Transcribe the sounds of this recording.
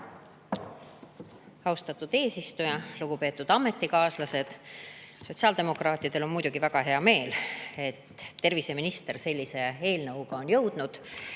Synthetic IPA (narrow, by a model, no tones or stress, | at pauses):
ɑwst̪ɑt̪ːˑud̪̥e̞ːsist̪ujɑluɡ̥upe̞ːt̪ːˑud̪̥ɑmːe̞t̪ːˑikɑːslɑse̞d̪̥so̞t̪ʲsɑːld̪e̞mo̞krɑːt̪ːˑid̪e̞lo̞nmujd̪̥uɡ̥ivæɡ̥ɑɦe̞ɑme̞ːle̞t̪ːe̞rvise̞minist̪e̞rse̞lʲːise̞e̞ːlnɤwuɡ̥ɑo̞njɤwd̪̥nud̪̥